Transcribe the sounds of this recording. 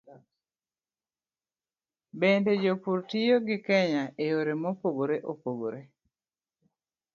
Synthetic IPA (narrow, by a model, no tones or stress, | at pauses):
bended͡ʒopuɾtijoɡɪkɛɲaʔejoɾemopoɡoɾeʔopoɡoɾe